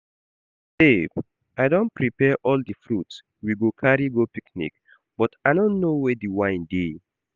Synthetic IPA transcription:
seb | aɪdõnpɹipɛʔɔldəfɹuts | wiɡokʰaɹiɡopiknḭk | b̥ɔtaɪdõnːowɛdiwãɪ̃ndi

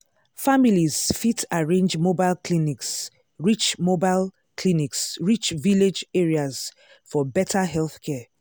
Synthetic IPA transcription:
familiz̥fitaɹẽnd͡ʒmobaɪlkʰliniks | ɹit͡ʃmobaɪl | kʰliniksɹit͡ʃviled͡ʒɛɹiaz̥ | fɔbɛtʰaɦɛlˠθkʰɛ

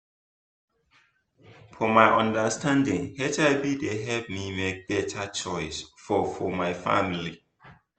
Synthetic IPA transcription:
fɔmaɪʔɔ̃ndəstʰãndɪ̃ŋhɛtaɪbideɦɛlpmimek̚b̥ɛtʰət͡ʃɔɪsfɔfɔmaɪfa̰mili

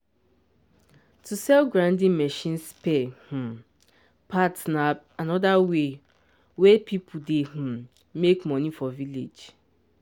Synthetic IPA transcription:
tʰusɛlɡɹãndĩnmɛʃĩnspɛh̩ | pʰatna | anɔdawe | wepʰipʰudehũ | mekmɔ̃nifɔvilḛd͡ʒ

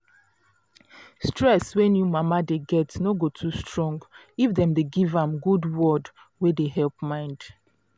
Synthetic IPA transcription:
stɹɛswɛ̃njumamadeɡɛtnoɡotʰustɹɔ̃ŋɡ | ifdɛ̃mdeɡivãmɡudwɔd | wedeɦɛlˠpmãɪ̃nd̥

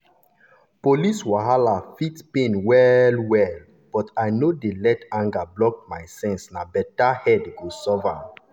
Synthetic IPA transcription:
poliswaɦalafitpẽnwɛlwɛl | b̥ɔtaɪnodelɛtãŋɡablɔk̚maɪsɛ̃nsnabɛtahɛdɡosɔva̰

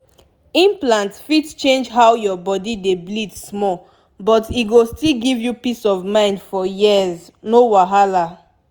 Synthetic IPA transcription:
ĩmplãntfitt͡ʃẽnd͡ʒɦawjɔbɔdideblidsmɔ | bɔtiɡostilɡivjupisɔvmãɪ̃ndfɔjiz | nowaɦala

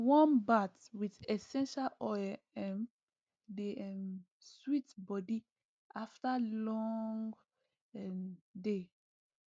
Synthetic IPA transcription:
wɔ̃nbatwiðɛsɛ̃nʃalɔɛ | ɛ̃m | deɛm | switbɔdi | ʔaftalɔ̃ŋɡ | ɛde

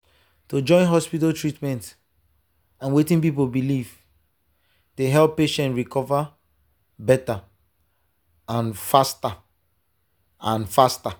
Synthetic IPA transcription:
tod͡ʒɔ̃ɪ̃nɦɔspitaltɹitmɛ̃nt | ãnwetĩnp̬ip̬olbiliv | deɦɛlˠpːeʃɛ̃ntɹikɔva | bɛta | ãnfasta | ãnfasta

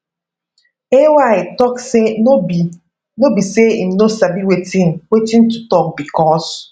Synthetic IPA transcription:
ewaɪtɔkseo | nobiseim̩nosabiwetinwetin̩tutɔk̚bikɔs

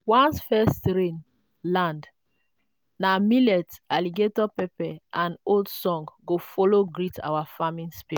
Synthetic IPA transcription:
wãnsfɛstɹẽn | lãnd | namilɛtaliɡetɔpɛpɛʔãnoldsɔ̃ŋɡɡofɔloɡɹitʰa̰wafamĩnspi

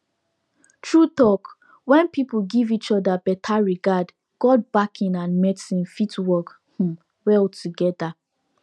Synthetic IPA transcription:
tʰɹut̪ɔk | wɛ̃npipl̩ɡivit͡ʃɔdabɛtʰaɹiɡad | ɡ̥ɔd̚bakʰĩnãnmɛtĩnfitwɔk | hũ | wɛltʰuɡɛda

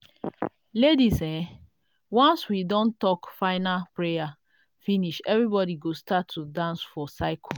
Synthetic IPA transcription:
ledisɛ̃ | wãnswidõntɔkfaɪnapɹeja | finiʃɛvɾibɔdiɡostatʰːudãnsfɔsaɪkʰɔ

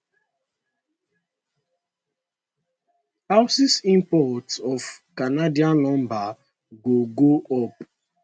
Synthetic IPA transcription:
haʊsisĩmpɔtɔfkanadiãnlɔ̃mba | ɡoɡoɔp

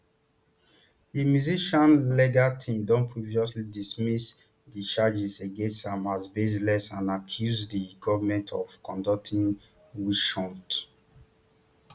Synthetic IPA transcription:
dimjuziʃɔ̃nleɡatʰĩmdɔ̃npʰɹivjɔslidismis | dit͡ʃad͡ʒiseɡẽnstãmazbezlɛsãnakʰjuzdiɡɔvmɛ̃ntʰɔv̥kɔ̃ndɔk̚tʰĩŋ | wiʃɔ̃nt

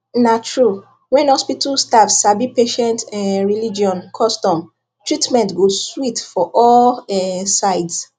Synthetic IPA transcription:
natʰɹu | wɛ̃nhɔspitalstavsabipeʃɛ̃ntɛɹilid͡ʒiɔ̃nkʰɔstɔ̃m | tʰɹitmɛ̃ntɡoswitfɔʔɔlɛsaɪds

